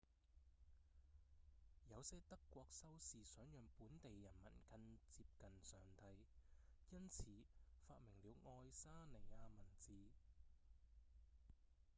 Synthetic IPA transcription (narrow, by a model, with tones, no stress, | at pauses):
jɐ˨˧wsɛː˥t̪ɐ˥kːʷɔː˧k̚sɐ˥wsiː˨sœː˨˥ŋjœː˨ŋpuː˨˥nt̪e˨jːɐ˨˩nmɐ̰˨˩nkʰɐ˧nt͡siː˧p̚kɐ˨nsœː˨˩ŋt̪ɐ˧jjɐ˥nt͡sʰiː˨˧faː˧t̚mɪ˨˩ŋliː˨˧wŋɔː˧jsaː˥ne˨˩aː˧mɐ˨˩nt͡siː˨˧